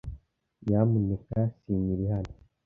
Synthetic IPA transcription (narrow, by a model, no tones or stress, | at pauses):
jamunekasiːɲiɾihano